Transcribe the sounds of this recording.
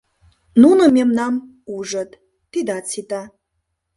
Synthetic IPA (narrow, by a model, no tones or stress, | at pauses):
nunəmʲemnam | uʐət̪ʼ | tːid̪at͡sʰit̪ʼa